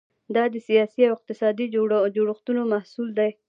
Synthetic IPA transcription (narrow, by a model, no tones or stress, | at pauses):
d̪ɑd̪əsijɑsiawɪq̚t̪ɪsɑd̪id͡ʒoɽuxt̪unomahsuld̪aj